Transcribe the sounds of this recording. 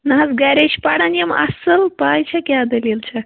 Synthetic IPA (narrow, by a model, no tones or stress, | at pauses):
nɐɦɐsɡaɾeʃpaɽanjɐmɐ̰səlpaːjt͡ʃʰakʲaːd̪ɐlilt͡ʃʰa